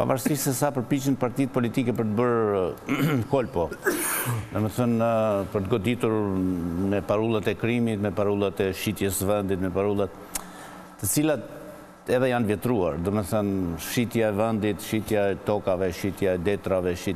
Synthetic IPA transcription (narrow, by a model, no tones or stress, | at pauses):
pa̰vaɾsiʃsɛsapəɾpit͡ʃənpaɾt̪it̪̚pɔlit̪ikɛpəɾt̪əbəɾ | kɔlpɔ | d̪ɔmɛθənpəɾt̪ɡɔd̪it̪uɾmɛpaɾulˠat̪ɛkɾimit̪mɛpaɾulˠat̪ɛʃit̪jɛsvɛnd̪it̪mɛpaɾulˠat̪̚ː | ət͡silat̪ | ɛðɛjanvjɛt̪ɾua̰ɾd̪ɔmɛθənʃit̪jaɛvɛnd̪it̪ʃit̪jaɛt̪ɔkavɛʃit̪jaɛd̪ɛt̪ɾavɛʃi